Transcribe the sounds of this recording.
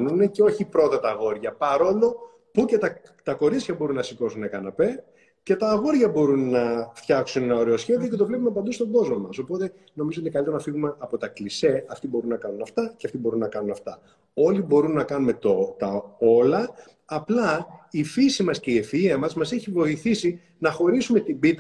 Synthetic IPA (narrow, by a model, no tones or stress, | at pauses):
nunece̞o̞çipɾo̞t̪ɐt̪ɐːɣo̞ɾʝɐpɐɾo̞lo̞ | pucet̪ɐ | t̪ɐko̞ɾit͡sçɐbo̞ɾunːɐsiko̞sunːɐkɐnɐpe̞ | ce̞t̪ɐːɣo̞ɾʝɐbo̞ɾunːɐft̪çɐksunenɐo̞ɾe̞o̞sçe̞ðio̞ce̞t̪̬ovle̞p̬umeɐp̬ɐnd̪ust̪o̞ɡo̞zmomɐso̞po̞t̪e | no̞mizoot̪ikɐlit̪eɾɐnɐfiɣume̞ʔɐpo̞t̪ɐklise̞ɐft̪ibo̞ɾunːɐkɐnunɐft̪ɐceɐft̪ibo̞ɾunːɐkɐnunɐft̪ɐ | o̞libo̞ɾunːɐkɐnume̞t̪ot̪ɐo̞lɐː | plɐifisimɐsceie̞fiiɐmɐzmɐseçivo̞iθisi | nɐxo̞ɾisume̞t̪ibit̪